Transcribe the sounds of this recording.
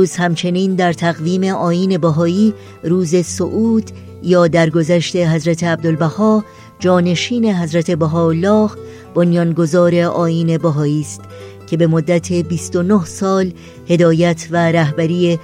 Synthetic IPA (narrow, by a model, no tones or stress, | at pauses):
uːzhæmt͡ʃʰe̞niːnd̪æɾt̪ʰæɣviːme̞ʔɒːjiːne̞bæɦɒːiː | ɾuːze̞soʔuːd̪̥ | jɒːd̪æɾɡo̞zæʃt̪e̞ɦæzɾæt̪ʰe̞æb̚d̪olbæhɒː | d͡ʒɒːne̞ʃiːne̞ɦæzɾæt̪ʰe̞bæɦɒːlːɒːh | b̥onjɒːnɡo̞zɒːɾe̞ʔɒːiːne̞bæɦɒːiːst̪ | cʰe̞be̞mod̪ːæt̪ʰe̞biːst̪o̞nohsɒːl | he̞d̪ɒːjæt̪ʰvæɾæɦbæɾiːe